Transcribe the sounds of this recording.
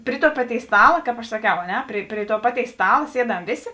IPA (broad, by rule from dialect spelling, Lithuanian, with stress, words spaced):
pʲrʲɪ tuɔ ˈpɑːˌtʲeːɪs ˈstɑːlˠɐ kɑːp ɐʃ sɐˈkʲɛʊ ɐ ˈnʲɛ pʲrʲɪ pʲrʲɪ tuɔ ˈpɑːˌtʲeːɪs ˈstɑːlˠɐ ˈsʲiɛˌdɐm ˈʋʲeːˌsʲeː